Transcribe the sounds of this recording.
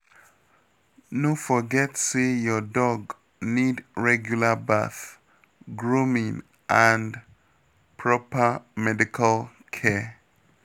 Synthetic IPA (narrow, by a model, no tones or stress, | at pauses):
nofɔɡɛtsejɔdɔɡ | nidɹɛɡjulaba̰θ | ɡɹumĩŋ | ʔãnd | pʰɹɔpəmɛdikʰal | kʰɛ